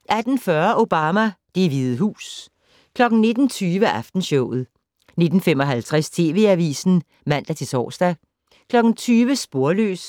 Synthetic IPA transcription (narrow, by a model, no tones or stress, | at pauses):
ʔæd̥n̩fɶɐʔo̝b̥ɑ̈ːmæd̥e̝ʋið̩ˠɦṵːs | kʰlɒ̽ɡ̥n̩ne̝d̥n̩t͡sʰyːʋəʔæfd̥n̩ɕɔʊð̩ˠ | ne̝d̥n̩femɒ̽ɦælt͡sʰʁast͡sʰe̝ːʋe̝̰æʋḭːsn̩ | mæn̰d̥æt͡sʰe̝sɒ̰ːsd̥æ | kʰlɒ̽ɡ̥n̩t͡sʰyːʋəsb̥o̝ɐlø̰ːs